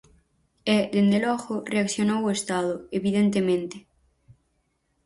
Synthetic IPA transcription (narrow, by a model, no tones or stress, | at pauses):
ɛðend̪elɔxoreakθjonowest̪aðʊeβiðent̪emẽnt̪e̥